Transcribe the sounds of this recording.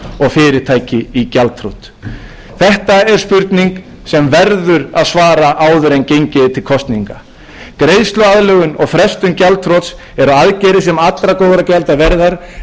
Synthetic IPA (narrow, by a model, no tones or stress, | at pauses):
ɔɣfɪːɾɪɾ̥t̪ʰaːjcɪicalt̪ʰɾowt̪ | θɛht̪aɛɾ̥spʏɾt̪niŋk | sɛmvɛɾðʏɾaðsvaːɾaʔaːwðʏɾejncejɲcɪt̪ʰɪlkʰɔst̪niŋka | kɾeːjðst̪lʏaðlœːɣʏnɔɣfɾɛst̪ʏmcalt̪ʰɾɔt̪s | ɛɾaaðcɛjɾɪs̬ɛmat̪lɾakoːwðɾacɛlt̪avɛɾðaɾ̥